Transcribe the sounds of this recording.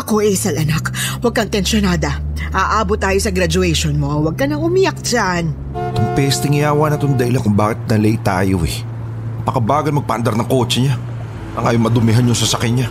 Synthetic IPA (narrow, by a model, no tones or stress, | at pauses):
ʔɐko̞ʔɛsɐlʔɐnakwɐɡ̚kɐŋt̪ɛnsonaːd̪ɐ | ʔaːʔaːbot̪ːaːjosɐɡɾɐd͡ʒʊɛʃonmoʔɐwɐɡ̚kɐnɐŋʊmɪjak̚d͡ʒan | t̪ʊŋpɛst̪ɪŋɪjaːwanɐt̪ond̪ɐɪlakʊŋbaːkɪt̪̚nɐlɛt̪a̰ːjo̰ʔɛ̰ | pɐkɐbaːɡɐlmɐɡ̚pɐ̰ʔɐnd̪ɐɾnɐŋko̞ːt͡ʃɛɲa | t̪ɐŋʔajomɐd̪ʊmɪɦanjʊŋsɐsɐkɛɲa